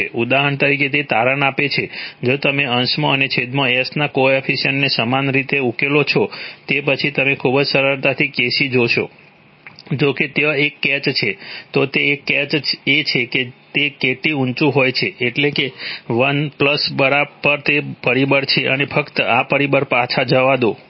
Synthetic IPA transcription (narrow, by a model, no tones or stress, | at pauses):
eʔud̪aɦəɳt̪əɾik̬et̪et̪aɾənapet͡ʃʰed͡ʒot̪əmeənsmoənet͡ʃʰed̪moesnakoɔfʰisənːesəmanɾit̪eukelot͡ʃʰot̪epət͡ʃʰit̪əmekʰubəd͡ʒsəɾəɾt̪at̪ʰikeʃid͡ʒoʃo̰ | d͡ʒoket̪eekːɛt͡ʃt͡ʃʰet̪ot̪eːkːɛt͡ʃet͡ʃʰeket̪ekeʈiũnt͡ʃũɦojt͡ʃʰeːʈlekeʋənpləsbəɾabpəɾt̪epəɾibəɾt͡ʃʰeʔənefʰəkt̪əapəɾibəɾpat͡ʃʰad͡ʒəʋad̪o